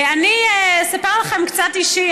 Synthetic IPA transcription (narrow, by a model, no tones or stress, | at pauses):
anisapeʁlaχemkt͡satiʃi